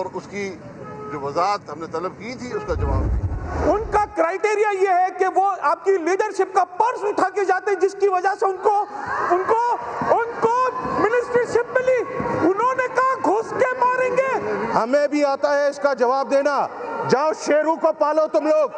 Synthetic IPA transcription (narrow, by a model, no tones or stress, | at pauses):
ɔːɾʊski | d͡ʒoːʋɐzaːɦət̪ɦɐmnet̪ɐləb̚kit̪ʰiʊskad͡ʒɐʋa̰ːbk̪ḭʊnkakɾaːɪʈeːɾijajeɦɛkeʋoaːp̚kiliːɖəɾʃɪp̚kapɐɾsənʊʈʰaːked͡ʒaːt̪eɦɛ̃d͡ʒɪskiʋɐd͡ʒaseʊnkoʊnkoʊnkomɪnɪsʈɾiʃɪp̚mɪliːʊnɦõːnekɐɦɡʱʊskemaːɾẽːŋɡeːhɐmẽbʱiaːt̪aɦɛʊskad͡ʒɐʋaːb̚d̪eːnad͡ʒaːʃeːɾũkopaːlot̪ʊmloːɡ